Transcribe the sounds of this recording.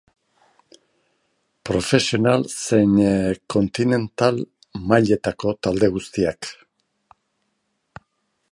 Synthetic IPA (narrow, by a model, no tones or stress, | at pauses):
pɾo̞fe̞sio̞nalse̞ɲko̞nt̪ine̞nt̪al | majʎe̞t̪ako̞t̪ald̪e̞ɣust̪iak